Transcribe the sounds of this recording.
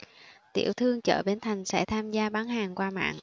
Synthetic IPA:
t̪ḭ˧˩əwt̪ʰɨ˧əŋt͡ɕə̰ː˧˩ɓe˧˩nt̪ʰa˨˩jŋ̟sɛ̰˧˥t̪ʰaː˧mzaː˧ɓaː˨˦ŋhaː˨˩ŋkwaː˧ma̰ː˧˨ŋ

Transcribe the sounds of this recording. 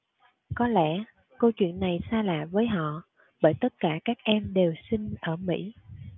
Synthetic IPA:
kɔ˨˦lɛ̰˧˥ | kə˧wt͡ɕwḭ˧˨ənːa˨˩jsaː˧la̰ː˨vəː˨˦jɦɔ̰˧˨ | ɓəː˧˩jt̪ə˦˥t̚kaː˧˩kaː˦˥k̚ʔɛ˧mɗe˨˩wsi˧ŋ̟ʔəː˧˩mḭ˧˥

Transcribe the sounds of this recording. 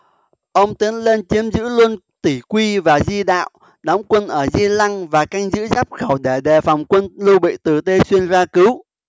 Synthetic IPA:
ʔə˧wŋ͡mt̪i˨˦nle˧nt͡ɕi˨˦əmzɨ̰˧˥lu˧ənt̪i˧˩kwi˧vaː˨˩zi˧ɗa̰ː˧˨w | ɗɔ˨˦wŋ͡mkwə˧nʔəː˧˩zi˧la˧ŋvaː˨˩ka˧jŋ̟zɨ̰˧˥zaː˦˥p̚xə˧˩wɗe˧˩ɗe˨˩fa˨˩wŋ͡mkwə˧nlu˧ɓḭ˧˨t̪ɨ˨˩t̪e˧swi˧ənzaː˧kɨ˨˦w

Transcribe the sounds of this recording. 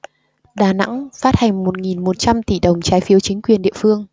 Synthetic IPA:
ɗaː˨˩na̰˧˥ŋfaː˦˥t̚ha˨˩jŋ̟mo˨˩t̚ŋi˨˩nmo˨˩t̚t͡ɕa˧mt̪i˧˩ɗə˨˩wŋ͡mt͡ɕaː˨˦jfi˨˦əwt͡ɕï˨˦ŋ̟kwi˨˩ənɗḭ˧˨əfɨ˧əŋ

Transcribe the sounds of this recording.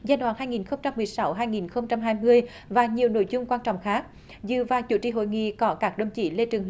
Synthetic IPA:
zaː˧jɗwaː˧˥nhaː˧jŋi˨˩nxə˧wŋ͡mt͡ɕa˧mːɨ˨˩əjsa˨˦wɦaː˧jŋi˨˩nxə˧wŋ͡mt͡ɕa˧mɦaː˧jmɨ˧əj | vaː˨˩ɲi˨˩əwno̰˧˥jzʊ˧ŋ͡mkwaː˧nt͡ɕɔ̰˧˨wŋ͡mxaː˦˥k̚ | zɨ̰˧˨˩vaː˨˩t͡ɕu˧˩˦t͡ɕḭ˧˨˩ɦo̰˧˨jŋḭ˧˨kɔ˨˦kaː˦˥k̚ɗə˧˩wŋ͡mt͡ɕḭ˧˩˦le˧t͡ɕɨ˨˩ŋ

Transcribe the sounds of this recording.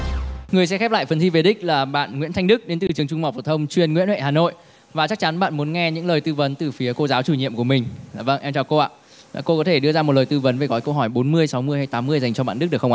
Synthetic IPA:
ŋɨ˨˩əjsɛ˧˥xɛ˦˥pla̰ː˧˨jfə˧nt̪i˧˩ve˨˩ɗï˦˥k̟̚laː˨˩ɓa̰ː˧˨nŋwḭ˧˥ət̪ʰa˧ŋ̟ɗɨ˦˥k̚ɗe˨˦nt̪ɨ˨˩t͡ɕɨ˨˩əŋt͡ɕʊ˧ŋ͡mma˨˩w̚fɔ˨˩t̪ʰə˧wŋ͡mt͡ɕwi˧˩ənŋwḭ˧˥ənwḛ˧˨haː˨˩no̰˧˨j | vaː˨˩t͡ɕa˦˥k̚t͡ɕa˨˦nɓa̰ː˧˨nmu˨˦ənŋɛ˧ɲɨ̰˧˥ŋləː˨˩jt̪ɨ˧və˨˦nt̪ɨ˨˩fi˨˦əko˧zaː˨˦wt͡ɕu˧˩ɲḭ˧˨əmkəmï˨˩ŋ̟˨˩və̰˧˨nʔɛ˧mt͡ɕɔ˧˩ko˧ʔa̰ː˧˨˩ | ko˧kɔ˨˦t̪ʰe˧˩ɗɨ˧əzaː˧o˨˩ləː˨˩t̪ɨ˧və˨˦nve˨˩ɣɔ˨˦jkə˧wɦɔ˧˩jɓo˨˦nmɨ˧əjsa˨˦wmɨ˧əjha˧jt̪aː˨˦mːɨ˧əjza˨˩jt͡ɕɔ˧ɓa̰ː˧˨nɗɨ˦˥ɗɨ˨˩kxŋ͡mʔ

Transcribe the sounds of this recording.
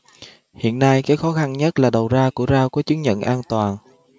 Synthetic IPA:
hḭ˧˨ənːa˧jkaː˨˦jxɔ˨˦xa˧nɲə˦˥t̚laː˨˩ɗə˨˩wzaː˧ku˧˩əzaː˧ku˧˦ət͡ɕɨ˨˦ənɲə̰˧˨nʔaː˧nt̪waː˨˩n

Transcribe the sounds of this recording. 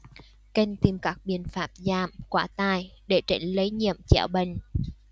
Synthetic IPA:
kə˧ŋt̪i˨˩mkaː˦˥k̚ɓḭ˧˨ənfaː˦˥p̚zaː˧˩mkwaː˧˩t̪aː˧˨jɗe˧˩t͡ɕə˧˩ŋ̟lə˨˦jɲḭ˧˨əmt͡ɕɛ̰˧˩wɓə˧˨˩ŋ̟

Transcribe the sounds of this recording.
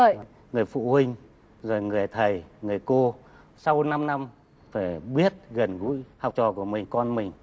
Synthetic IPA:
ŋɨ˨˩əjfṵ˧˨hï˧ŋ̟ | zo˨˩jŋɨ˨˩əjt̪ʰə˨˩jŋɨ˨˩əjko˧ | sa˧wna˧mna˧m | faː˧˩jɓi˦˥ət̚ɣə˨˩nɣṵ˧˥jha˨˩wk͡p̚t͡ɕɔ˨˩ku˧˩əmï˨˩ŋ̟kɔ˧nmï˨˩ŋ̟

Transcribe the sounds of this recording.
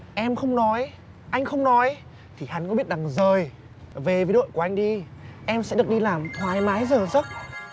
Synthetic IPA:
ʔɛ˧mxə˧wŋ͡mnɔ˨˦j | ʔa˧jŋ̟xə˧wŋ͡mnɔ˨˦j | t̪ʰi˨˩ha˨˦nkɔ˨˦ɓi˦˥ət̚ɗa˨˩ŋzəː˨˩j | ve˨˩ve˨˦nɗo̰˧˨jku˧˩ʔa˧ŋ̟ɗi˧ʔɛ˧msɛ̰˧˥ɗɨ˨˩ək̚ɗi˧laː˨˩mhwaː˨˩jmaː˨˦jzəː˨˩zə˦˥t̚

